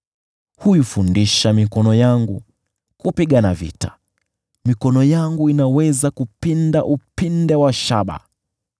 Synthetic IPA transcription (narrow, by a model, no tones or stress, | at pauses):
hujufundiʃamikɔnɔjaŋɡu | kupiɠanavḭtḁ | mikɔnɔjaŋɡuinawɛzakupindaʔupindɛwaʃaɓa̰